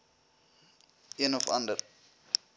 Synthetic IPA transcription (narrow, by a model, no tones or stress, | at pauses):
iənɔfɐ̰ndər